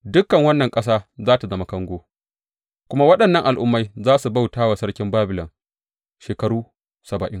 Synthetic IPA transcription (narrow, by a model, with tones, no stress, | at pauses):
dʊ˦kːɐ˨ŋwɐ˦nːɐ˨ŋkʼɐ˦s̬aː˦zaː˦ta˨zɐ˦mɐ˨˦kɐ˦ŋɡʷoː˦ | kʷʊ˦ma˦wɐ˦ɗɐ˨nːɐ˦ŋʔa˨lʔʊ˦mːa˦jzaː˦su˨ba˦˨wtaː˦wa˨sɐ˦ɽkʲɪ˦mbaː˦bɪ˨lɐ̰˨ŋ | ʃeː˨kɐ˦ɽuː˦ | sɐ˨bɐ˨ʔɪ̰˦ŋ